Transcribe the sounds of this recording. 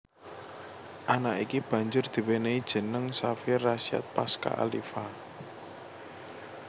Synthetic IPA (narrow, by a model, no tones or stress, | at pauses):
ʔanakʔikib̥a̤ɲd͡ʒʊrd̪̥i̤weneid̥ʒ̥ə̤nəŋsafɪrːasia̰t̪̚paska̰ʔa̰lḭfa